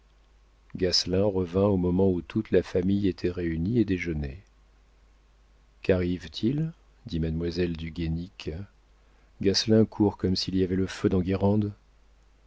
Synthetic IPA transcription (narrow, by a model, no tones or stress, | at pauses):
ɡaslɛ̃ʁəvɛ̃omɔmɑ̃ut̪ut̪lafamijet̪ʰɛʁeynied̪eʒəne | kaʁivt̪ʰil | d̪imad̪mwazɛld̪yɡʲenik | ɡaslɛ̃kʰuʁkɔmsiliavɛləfød̪ɑ̃ɡʲiʁɑ̃d̪